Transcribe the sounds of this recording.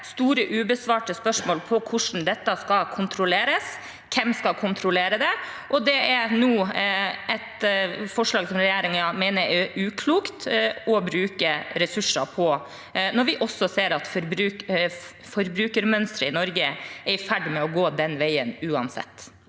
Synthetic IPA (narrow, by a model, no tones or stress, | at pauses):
st̪uːɾəʔʉːbəsʋɑːʈəspœʂmoːlpʰɔkʰʊʂɳn̩d̪ɛt̪ːəskɑlkʰʊnt̪ʰɾʊleːɾəs | kʰɛmskɑkʰʊnt̪ʰɾʊleːɾəd̪ɛ | ʔɔd̪ɛæɾnuː | ɛt̪fɔʂlɑːɡsɔmɾɛjæːɾɪŋɑmæɪnəɾæɾʉːkʰluːkt̪ɔbɾʉːkəɾɛsʉʂɑpʰɔ | nɔɾʋɪʔɔsːɔseːɾɑt̪fɔɾbɾʉːk | fɔɾbɾʉːkəɾmœnst̪ɾəɪnɔɾɡəɛfæɖmɛɔɡoːd̪ɛnʋæɪənʉːɑnsɛ̰t̪ː